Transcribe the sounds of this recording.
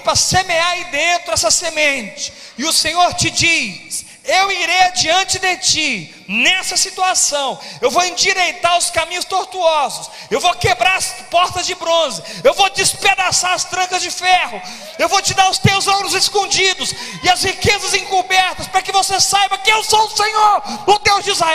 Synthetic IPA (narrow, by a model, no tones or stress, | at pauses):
pɾɐsemeaɾid̪ẽnt̪ɾʊɛsɐsemẽt͡ʃɪ̥ | ɪʊsẽɲoɾt͡ʃɪd͡ʒis | ewiɾejad͡ʒiɐ̃nt͡ʃɪd̪et͡ʃi | nɛsɐsit̪uasɐ̃w̃ewvowẽd͡ʒiɾejt̪aɾʊskamĩɲʊst̪oɾt̪uɔzʊs | ewvokebɾaɾɐspɔɾt̪ɐzd͡ʒɪbɾõzɪewvod͡ʒɪsped̪asaɾɐst̪ɾɐ̃ŋkɐzd͡ʒɪfɛhʊ | ewvowt͡ʃɪd̪aɾʊst̪ewzõlʊzeskõd͡ʒid̪ʊs | ɪɐzhikezɐzẽŋkubɛɾt̪ɐspɾɐkɪvosesajbɐkɪewsõw̪ʊsẽɲoɾʊd̪ewzd͡ʒizaɛ